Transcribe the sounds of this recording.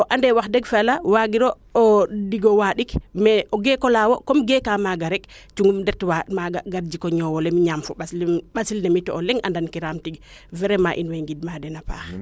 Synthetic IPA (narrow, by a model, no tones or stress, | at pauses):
ʔɔʔandɛwaxdɛɡfɛalawaɡiɾɔː | diɡɔwaɗikmɛɔɡɛkɔlawɔkɔmɡɛkamaɡaɾɛkt͡ʃuŋɡumdɛtwamaɡaɡaɾd͡ʒikɔɲɔwɔlɛmiɲamfɔɓasɓasilnɛmitɔɔlɛŋʔa̰ndankiɾaːmtiɡvɛɾɛmaʔinwɛŋɡid̚madɛnapa̰ːx